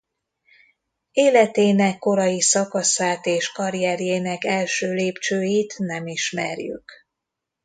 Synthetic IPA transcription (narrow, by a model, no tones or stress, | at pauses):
eːlɛt̪eːnɛkːo̞ɾɒjisɒkɒsaːt̪eːʃkɒɾijɛɾjeːnɛkɛlʃøːleːpt͡ʃøːjit̪nɛmiʃmɛ̰rjy̰k